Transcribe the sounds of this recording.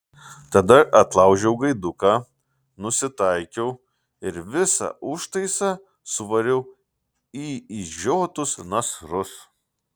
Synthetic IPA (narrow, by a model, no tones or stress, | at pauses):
t̪ɐd̪ɐʔɐt̪lˠɐˑʊʒʲɛʊɡɐɪd̪ʊkaː | nʊsʲɪt̪ɐɪkʲɛʊ | ɪɾʋʲɪsɑ̰ʔʊʃt̪ɐɪsɑ | sʊʋɐɾʲɛʊ | iːiʒʲoːt̪ʊsnɐsɾʊs